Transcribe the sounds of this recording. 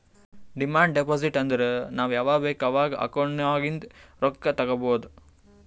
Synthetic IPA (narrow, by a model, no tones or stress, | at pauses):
ɖimaːɳɖɖepoːs̬iʈːɐnd̪ɐɾenaːʋujaːʋaːbeːkɐːʋaːɡɐʔɐ̰koɳːɐʋaːɡind̪ɐɾɔkːɐt̪ɐɡɐboːd̪u